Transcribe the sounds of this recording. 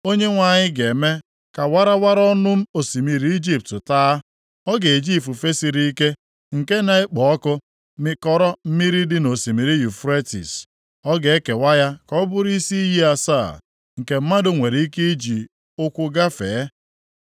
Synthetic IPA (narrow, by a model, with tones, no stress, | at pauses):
o˦ɲe˦ŋʷa˨ɲɪ˦ɡe˨me˦ | ka˨wa˦ɾa˦wa˦ɾɔ˦nʊ˦m̩˦o˨si˨mi˨ɾi˦i˦d͡ʒi˦p̚tʊ˨taː˦ | ɔ˦ɡe˨e˨d͡ʒi˦˨fu˨fe˦si˨ɾi˦i˦ke˦ | ŋ̩˨ke˦na˦e˦k͡pɔ˨ɔ˦kʊ˦ | mɪ˦kɔ˦ɾɔ˦m̩˦mi˦ɾi˦dɪ˦no˨si˨mi˨ɾi˦ju˨fɾe˦tḭ˨s | ɔ˦ɡe˨e˦ke˨wa˦ja˦kɔ˦bʊ˦ɾi˦si˦ji˦a˦sa̰˦˨ | ŋ̩˨ke˨m̩˦ma˦dʊ˨ŋʷe˨ɾi˦ke˦i˦d͡ʒi˨ | ʊ˦kʷʊ˦ɡa˦fḛː˨˦